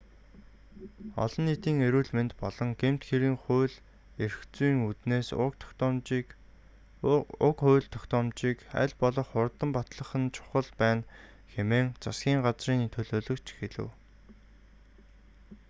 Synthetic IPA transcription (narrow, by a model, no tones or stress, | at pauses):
ɔ̰ɮɞ̆nːit̪iːŋeɾuːɮment̪pɔɮɞ̆ŋɡem̥t̪xeɾiːŋχʊːɮ | erxt͡suːŋut̪neːsʊ̰kt̪ʰɔ̥kt̪ɔːmt͡ɕi | ʊkχʊjɮt̪ʰɔ̥kt̪ɔːmt͡ɕiːkæ̰ɮpɔɮɞ̆χʊrt̪ə̆mpat̪ɮə̆χə̆nt͡ɕʰʊ̥χə̆ɮpæːn | xemeːŋt͡sʰasɡʲiːŋɢat͡sriːŋt̪ʰɵɮoːɮɵ̆kt͡ɕʰxeɮɘ̆w